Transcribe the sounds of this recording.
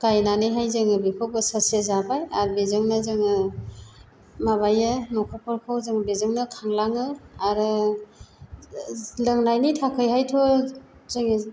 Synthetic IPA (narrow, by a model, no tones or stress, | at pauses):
kajnanɯjɦajzɯŋɯbekʰowbɯsəsiezabajaɾbezɯŋnɯzɯŋɯ | maβajɯnɔkʰɔpʰɔɾkʰawzɯŋɯbezɯŋnɯkʰaŋlaŋɯaɾɯ | ləŋnajnitʰakʰɯjhajtʰɔzɯŋe